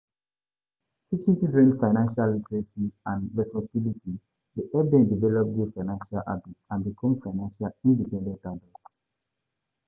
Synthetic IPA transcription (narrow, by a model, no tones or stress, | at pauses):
tikĩtuɹɛ̃ndfaɪnãnʃalːitɹɛsiãnɹɛspɔsibilitʰi | deʔɛbɛ̃ndivɛlɔp̚ɡufaɪnãnʃalʔa̰bitãnbikʰɔ̃mfaɪnãnʃalĩndipɛ̃ndɛ̃ntadɔts